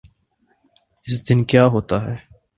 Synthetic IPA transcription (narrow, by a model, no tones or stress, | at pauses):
ɪs̬d̪ɪnkjaːɦoːt̪aːɦɛː